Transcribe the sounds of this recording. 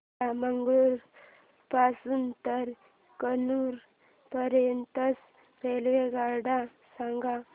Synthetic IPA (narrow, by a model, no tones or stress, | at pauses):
aməŋɡɭuɾ | pasunt̪əɾ | kənuːɾ | pəɾjənt̪əs | ɾelʋeɡaɾɖa | saŋɡa